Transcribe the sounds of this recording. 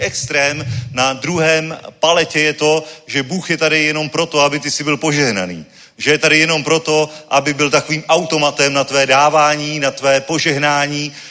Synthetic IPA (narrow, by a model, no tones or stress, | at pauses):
ʔɛkst̪ɾɛːmnadɾuɦɛːmpalɛcɛjɛt̪o̞ʒɛbuːxjɛt̪adɪjɛno̞mpɾo̞t̪o̞abɪt̪ɪsɪbɪlpo̞ʒɛɦna̰nḭː | ʒɛjɛt̪adɪjɛno̞mpɾo̞t̪o̞ʔabɪbɪlt̪akoviːmʔawt̪o̞mat̪ɛmnat̪vɛːdaːvaːɲiːnat̪vɛːpo̞ʒɛɦnaːɲiː